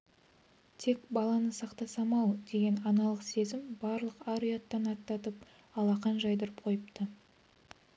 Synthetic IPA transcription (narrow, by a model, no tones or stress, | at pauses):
t̪ʰe̞kbɑlˠɑnəsɑqt̪ɑsɑmɑwd̪e̞ɡʲe̞nɑnɑlˠəqse̞zɪmbɑɾlˠəqɑɾujat̪ːɑnɑt̪ːɑt̪əp | ɑlˠɑqɑnʒɑjd̪əɾəp̚qʰo̞jəp̚t̪ə